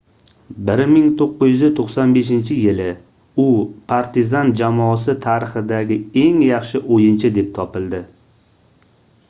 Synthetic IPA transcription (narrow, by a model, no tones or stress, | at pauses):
bɪɾmɪŋt̪ʰoqːʊzjyzɪt̪ʰoχsanbe̞ʃɪnt͡ʃʰɪjɪlɪ | ʊpʰaɾt̪ʰɪzand͡ʒamɒs̬ɪt̪ʰaɾɪχɪd̪aɡʲɪe̞ŋjɑχʃɪʔojɪnt͡ʃʰɪd̪e̞p̚t̪ʰɒpɪlˠd̪ɪ